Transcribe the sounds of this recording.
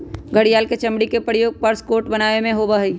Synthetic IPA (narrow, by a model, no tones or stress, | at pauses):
ɡʱəɽijaːlket͡ʃɐ̃mɽikepəɾjoːɡ̚pəɾskoːɾʈbɐnaːʋemẽɦobaɦiː